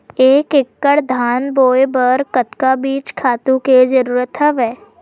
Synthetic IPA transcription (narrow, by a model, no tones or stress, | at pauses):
eːkɪkːəɽd̪ʱaːnboːjbəɾkət̪kabiːt͡ʃkʰaːt̪ũked͡ʒəɾuːɾət̪ɦəʋɦɛː